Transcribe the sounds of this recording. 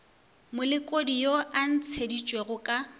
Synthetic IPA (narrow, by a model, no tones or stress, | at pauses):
mʊlɪkʼodijoan̩t͡sʰedit͡ʃʼweɣʊkʼa